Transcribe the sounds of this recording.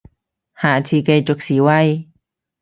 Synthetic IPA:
ha˨ʔt͡ʃʰi˧ka˧jt͡ʃo˧ksi˨wa˦j

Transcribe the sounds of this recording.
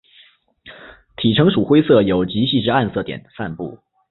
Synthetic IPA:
t̪ʰi˨˩ʈ͡ʂʰɤ˧˥ŋʂu˨˩xwe˥ɪsɤ˥˩jo˨˩ʊt͡ɕi˧˥ɕi˥˧ʈ͡ʂɻ̩˥˧a˥˧nsɤ˥˩t̪jɛ̰˨˩nfa˥˧npṵ˥˩

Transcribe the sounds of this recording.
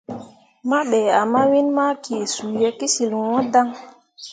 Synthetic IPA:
ma˦ɓe˨a˨ma˦wi˦nma˦kʰi˨su˨je˦ki˦si˨lwɔ̃˦da˦ŋ

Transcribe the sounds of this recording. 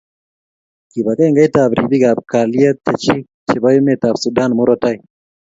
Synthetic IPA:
ki˨ba˨ka˦jŋɡa˦jta˨bɾi˨bi˦ɡa˨b̚ka˨lia˦t̪ɛ˨t͡ʃi˦ | t͡ʃi˨ba˦ju˦me˦˨ta˨bsu˨da˦nmu˦ɾɔ˦ta˦j

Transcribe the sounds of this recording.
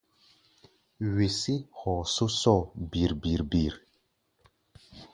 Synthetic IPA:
ɥe˨si˦hɔ˨so˦sɔ˦˨bi˨ɾbi˨ɾbi˨ɾ

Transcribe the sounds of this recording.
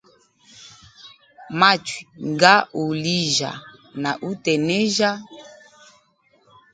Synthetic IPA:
ma˦t͡ʃwi˨ŋɡa˦u˨li˦ʒa̰˨na˨ʔu˦tɛ˨nɛ˦ʒa˦

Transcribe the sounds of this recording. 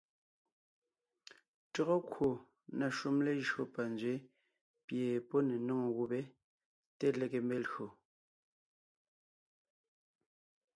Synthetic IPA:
tɔ˦ɣɔ˦kwo˨ | na˨ʃu˦mle˦ʒɰo˦pa˨nzɥe˨˦ | pje˨pɔ˦ne˨nɔ˦ŋɔ˨ɣu˦be˦ | te˦le˨ke˨mbe˦lo˨

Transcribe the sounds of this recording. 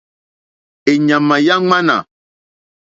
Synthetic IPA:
e˨ɲã˨mã˨ja˦ŋ͡mã˦nã̰˨

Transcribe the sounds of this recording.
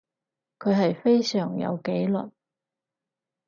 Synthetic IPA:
kʰɵ˨˧ɥɦɐ˨jfe˥jsœː˨˩ŋjɐ̰˨˧wke˨˥jlɐ̰˨˩n

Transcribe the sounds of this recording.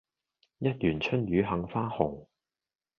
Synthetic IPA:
jɐ˥t̚jyː˨˩nt͡ʃʰɵ˥njyː˨˧ɦɐ˨˥ŋfaː˥hʊ˨˩ŋ

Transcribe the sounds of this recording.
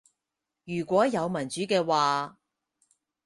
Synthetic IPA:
jyː˨˩kʷɔː˨˥jɐ˨˧wmɐ˨˩nt͡ʃyː˨˥kɛː˧waː˨˧

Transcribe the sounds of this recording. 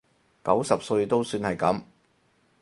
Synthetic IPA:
kɐ˨˥wsɐ˨p̚sɵ˧ɥt̪o˥wsyː˧nhɐ˨jkɐ˨˥m

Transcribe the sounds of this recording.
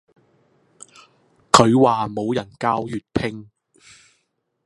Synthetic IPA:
kʰɵ˨˧ɥwaː˨mo˨˧wjɐ˨˩nkaː˥wjyː˨t̚pʰɪ˥ŋ

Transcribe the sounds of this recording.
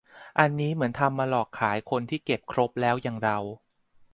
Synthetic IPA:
ʔa˧nːiː˦˥mɯ˩˦ənt̪ʰa˧mːaː˧lɔː˨˩k̚kʰaː˩˦jkʰo˧nt̪ʰiː˥˩ke˨˩p̚kʰɾo˦˥p̚lɛː˦˥wjaː˧ŋɾa˧w

